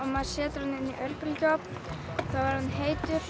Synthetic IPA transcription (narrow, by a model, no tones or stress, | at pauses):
amḁsɛːt̪ɾɔnɪniʔœɾpʏlcɔpn | θawvaɾhanːɦeːjt̪ʏp